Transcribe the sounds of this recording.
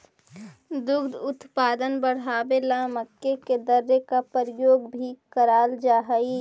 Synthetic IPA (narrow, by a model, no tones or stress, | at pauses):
d̪ʊɡd̪ʊt̪paːd̪ənbəɽ̤aːbelaməkːeked̪əɾːekapəɾjoːɡbʱikəɾaːld͡ʒaːɦəi